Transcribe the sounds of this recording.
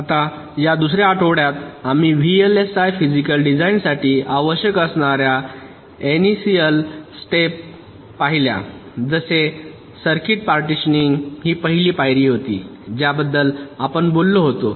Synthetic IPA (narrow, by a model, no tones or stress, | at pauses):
at̪a | jad̪usɾjaːʈʰoʋɽjat̪am̤iʋielesajfid͡ʑikəlɖid͡zainsaʈiːaʋəɕjəkəsɳaɾja | enisijəlsʈepː | aɦilja̰d͡zəse | səɾkiʈ̚paɾʈiɕəniŋɡɦiːpəɦiliːpajɾiːɦot̪ḭːd͡ʑjabəd̪ːəlapəɳbolːoɦot̪o